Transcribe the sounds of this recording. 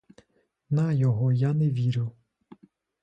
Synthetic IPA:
nɐjɔɦɔjaneʋʲiɾʲɪw

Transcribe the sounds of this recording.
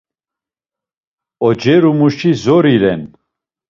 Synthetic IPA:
ɔd͡ʒɛɾumuʃizɔɾiɾɛn

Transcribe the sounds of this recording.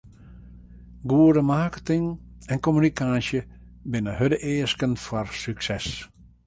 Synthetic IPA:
ɡuədəmaːkə̥tɪŋɛnkomynikaːsjə | bɪnəɦødəʔeːskənfarsyksɛs

